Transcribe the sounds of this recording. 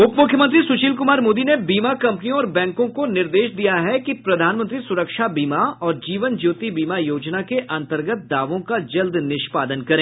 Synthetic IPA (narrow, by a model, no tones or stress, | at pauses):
ʊpmʊkʰjəmə̃t̪ɾisʊt͡ʃiːlkʊmaːɾmoːd̪inebiːmakɐ̃mpnijõɔːɾbɛ̃ːŋkõkonɪɾd̪eːʃd̪ijaɦɛkipɾɐd̪ʱaːnmənt̪ɾisʊɾəkʃabiːmaɔːɾd͡ʒiːʋənd͡ʒuːt̪ibiːmajoːd͡ʒnakeʔɐ̃nt̪əɾɡət̪̚d̪aːʋõkad͡ʒɐld̪ʱnɪʃpaːd̪ənkɐɾẽː